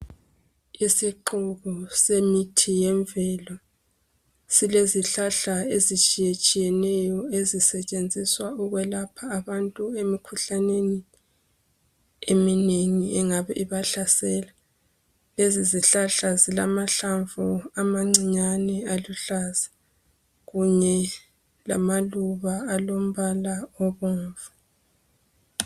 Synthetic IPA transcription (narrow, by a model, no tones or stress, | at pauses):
isiǃuɣusemitʰijɛɱvɛlɔ | sileziɬaɬaezit͡ʃʼijet͡ʃʼijɛnɛjɔezisɛt͡ʃʼend͡zʱiswauɣwɛlapʰaːβantʼuemikʰuɬaneni | emineŋiɛŋaβɛ̰ʔiβaɬasɛːla | leziziɬaɬazilamaɬaɱvuamaŋ͡ǀiɲanɛaluɬazḁ | ɣuɲɛ | la̰maluβaːlom̩βalaɔβɔːɱva